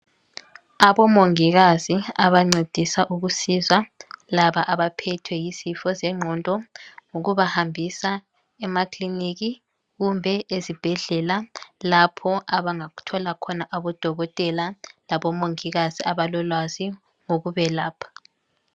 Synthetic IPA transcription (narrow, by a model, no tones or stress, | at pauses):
aβɔmoŋiɣaziaβaŋ͡ǀed̥ʱisaʔuɣusizwalaβaʔaβapʰɛtʰwɛjizifɔzɛŋ͡ǁʱɔntʼɔŋuɣuβahambʱisa | ɛmakliniɣi | ɣumbʱɛezib̥ʱɛɮɛlalapʰɔʔaβaŋaɣu̥tʰɔlakʰɔnaʔaβɔd̥ʱɔɣɔtʼɛlalaβɔmoŋiɣaziʔaβalɔlwazi | ŋoɣuβɛlaːpʰḁ